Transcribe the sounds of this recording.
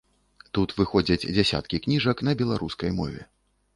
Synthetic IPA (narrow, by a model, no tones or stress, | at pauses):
t̪ut̪vɨxɔd͡zʲɐd͡zʲd͡zʲasʲa̰t̪kʲiknʲiʐɐkn̪ɐbʲɛlˠaɾuskɐjmɔ̰vʲɛ̰